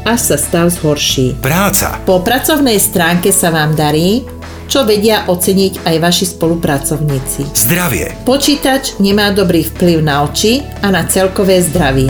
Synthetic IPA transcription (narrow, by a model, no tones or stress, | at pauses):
aʃsast̪aʊzɦɔɾʃiːpɾaːt͡sa̰pɔpɾat͡sɔʊnɛjst̪ɾaːŋkɛsaʋaːmd̪aɾiː | t͡ʃɔʋɛɟɪaʔɔt͡sɛɲiɟajʋaʃispɔlupɾat͡sɔʊɲiːt͡sizd̪ɾaʋɪɛ̰pɔt͡ʃiːt̪at͡ʃɲɛmaːd̪ɔbɾiːfpliʊnaɔt͡ʃi | anat͡sɛlkɔʋɛːzd̪ɾaʋɪɛ